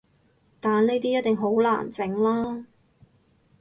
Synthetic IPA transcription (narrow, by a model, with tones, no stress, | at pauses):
t̪aː˨˩nle˥t̪iː˥jɐ˥t̚t̪ɪ˨ŋɦo˨˥wla̰ː˨˩nt͡sɪ˨˥ŋlaː˥